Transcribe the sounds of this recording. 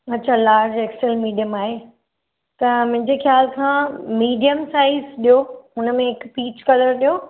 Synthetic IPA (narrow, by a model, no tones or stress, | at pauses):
ɐtːt͡ɕʰaːlaːɾd͡ʑɛːksɛlmiːɖijəmaːɦe | t̪ɐmʊ̃ɦɪ̃ɲd͡ʑexjaːlkʰãːmiːɖijəmsaːɪizɗijoɦʊnəmẽɪkpiːt͡ɕkɐləɾɗijoː